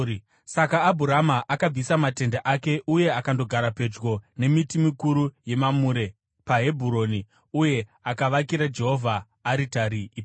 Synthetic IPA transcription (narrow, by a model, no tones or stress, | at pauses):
sakaːbʱuɾamaʔakab͡visamate̞ndaʔake̞ʔuje̞akando̞ɡʱaɾape̞d͡ʒɡo̞ne̞mitimikuɾuje̞mamuɾe̞ | paɦe̞bʱuɾo̞ni | uje̞akaʋakiɾad͡ʒe̞ɦo̞vʱaː | ɾitaɾiːp